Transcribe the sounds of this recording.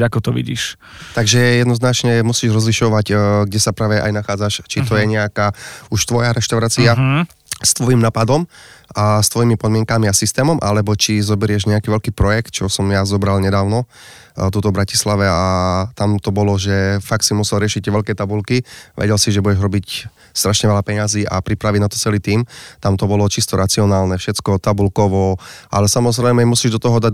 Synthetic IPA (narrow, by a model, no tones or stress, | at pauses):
akɔt̪ɔʋḭɟḭːʃ | t̪aɡʒɛjɛd̪nɔznat͡ʃɲɛmusiːʒɾɔzliʃɔʋaɟɡɟɛsapɾaːʋɛʔa̰jnaxaːd͡zaʃt͡ʃit̪ɔjɛɲɛakaːuʃt̪ʋɔjaɾɛʃt̪aʊɾaːt͡sia | st̪ʋɔjimnaːpad̪ɔmast̪ʋɔjimipɔd̪mɪɛŋkamiasist̪ɛːmɔmʔa̰lɛbɔt͡ʃizɔbɛɾɪɛʒɲɛakiːʋɛlkiːpɾɔjɛk̚t̪̚t͡ʃɔʊsɔmjazɔbɾalɲɛd̪aːʊnɔ | t̪uːt̪ɔbɾaci̥slaʋɛat̪amt̪ɔbɔlɔʒɛfak̚simusɛlɾɪɛʃic̪̚t̪ɛʋɛlkɛt̪abulkiʋʔɛ̰ɟɛlsiʒɛbuɟɛʒɦɾɔbic | st̪ɾaʃɲɛʋɛlapɛɲaziːʔa̰pɾipɾaʋiɟnat̪ɔ̥t͡sɛliːt̪iːmt̪amt̪ɔbɔlɔt͡ʃist̪ɔɾat͡siɔnaːlnɛfʃɛt͡skɔt̪abulkɔʋɔʔalɛsamɔzɾɛɪmɛmusiːʒd̪ɔt̪ɔɦɔd̪a